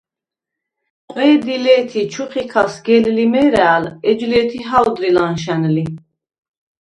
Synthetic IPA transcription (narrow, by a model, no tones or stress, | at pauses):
qʼwɛːd̪ilɛːt̪ʰit͡ʃʰuχikʰasɡɛllimɛɾaːlɛd͡ʒlɛt̪ʰiɦad̪ɾilanʃ̬ɛnli